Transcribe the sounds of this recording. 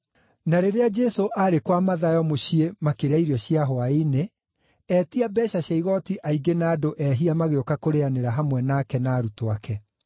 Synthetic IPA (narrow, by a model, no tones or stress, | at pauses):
naɾeɾead͡ʒɛsoʔaɾekwamaðajɔmoɕiemakeɾaiɾiɔɕiaɦɔaene | ɛtiabɛɕaɕaiɣɔtiʔaiɡenaːdoʔɛɦiamaɣeokakoɾeaneɾaɦamwɛnakɛnaːɾutoakɛ